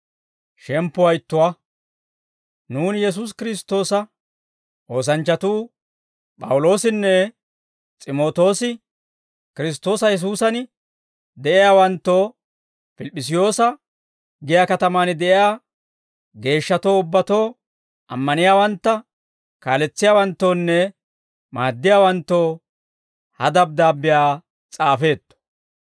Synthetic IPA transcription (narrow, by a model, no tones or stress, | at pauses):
ʃɛmpːʊwɐjɪt̪ːʊwaː | nuːnjɛs̬uːs̬kɪɾɪst̪ːo̞ːsɐ | ʔo̞ːs̬ɐnt͡ʃːɐt̪uː | pʼɐ̰wʊlo̞ːsɪnːɛ | t͡sʼɪmo̞ːt̪o̞ːsɪ | kɪɾɪs̬t̪ːo̞ːsɐjɛs̬uːsɐn | d̪ɛʔɪjaːwɐnt̪ːo̞ː | fɪlɪpʼːɪs̬ɪjo̞ːsɐ | ɡɪjaːkɐt̪ɐmaːnɪd̪ɛʔɪjaː | ɡe̞ːʃːɐt̪o̞ːʊbːɐt̪o̞ː | ʔɐ̰mːɐnɪjaːwɐnt̪ːɐ | kaːlɛt͡sːɪjaːwɐnt̪ːo̞ːnːɛ | maːd̪ːɪjaːwɐnt̪ːo̞ː | hɐd̪ɐb̚d̪aːbːɪjaː | t͡sʼaːfe̞ːt̪ːɔ̥